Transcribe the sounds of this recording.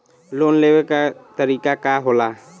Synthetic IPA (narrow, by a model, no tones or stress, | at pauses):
loːnleːʋekat̪əɾiːkakaːɦolaː